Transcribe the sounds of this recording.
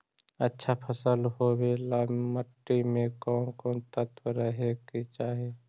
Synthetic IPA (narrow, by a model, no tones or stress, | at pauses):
ətːʃʰapʰəsəlhoːbelaːməʈːimẽkɔːnkɔːnt̪ət̪wəɾəɦekit͡ʃaːɦe